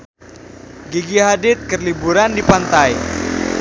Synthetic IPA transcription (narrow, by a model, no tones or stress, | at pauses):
ɡiɡiɦadɪt̪̚kərlibuɾandipant̪aj